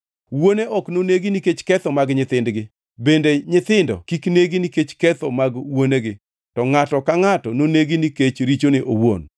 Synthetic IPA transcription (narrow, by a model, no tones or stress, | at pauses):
woneʔɔknoneɡiniket͡ʃkɛt̪ɔmaɡɲɪt̪ɪndɡɪ | bendeɲɪt̪ɪndɔ̰kikneɡiniket͡ʃkɛt̪ɔmaɡwoneɡɪ | tɔŋatɔkaŋatɔnoneɡiniket͡ʃɾit͡ʃonɪʔowo̰n